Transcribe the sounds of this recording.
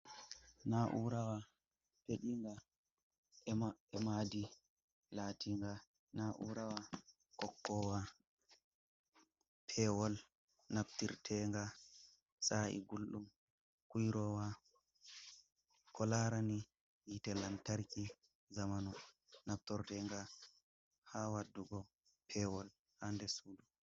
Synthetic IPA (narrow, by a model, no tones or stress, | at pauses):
naʔuɾawa | peɗiŋɡa | ɛmadi | laːtʰiŋɡa | naʔṵɾawa | kɔkːɔwa | pʰɛwɔl | naptiɾtʰɛŋɡa | saḭɡulɗum | kujɾɔwa | kʰɔlaɾani | jitɛlantaɾki | zamanu | nap̚tɔɾtɛŋɡa | hawadːuɡɔ | pʰɛwɔl | handɛsuːdu